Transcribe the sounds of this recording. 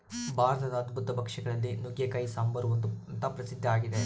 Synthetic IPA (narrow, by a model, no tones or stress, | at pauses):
baːɾt̪ɐd̪ɐːd̪bʱut̪ːɐbʱɐkʂɐɡɐɭɐlːinuɡjɐkɐjsaːmbʱɐɾuʋɐnt̪nt̪ɐpɾɐsid̪ʱːɐaːɡid̪e